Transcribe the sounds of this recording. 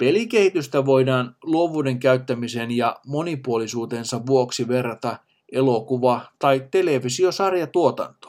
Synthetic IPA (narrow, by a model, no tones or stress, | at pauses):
pe̞like̞hit̪yst̪æʋo̞jdɑːnluoʋuːde̞ŋkæyt̪ːæmisenjɑmo̞nipuolisuːt̪e̞ːnsɑʋʋuoksiʋe̞rːɑt̪ɑ | ʔe̞lo̞kuʋɑt̪ɑit̪e̞le̞ʋisio̞sɑrjɑt̪uot̪ɑ̰nt̪o̥